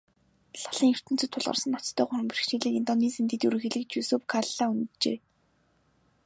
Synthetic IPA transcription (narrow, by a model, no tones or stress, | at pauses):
ɮḁɮĭːŋɵr̥t̪ɘ̆n̥t͡sɵ̆t̪ʰːʊɮʁə̰rsə̆nɔt͡st̪ʰœːχʊɾɞ̆mpirxʃiːɮɘ̆ːkent̪ɔniːsent̪ʰet̪ːuɾɘ̆xeɮɘ̆k̚t͡ɕuːsɵːpu̥kʰaɮaːun̆t̪t͡ɕḛː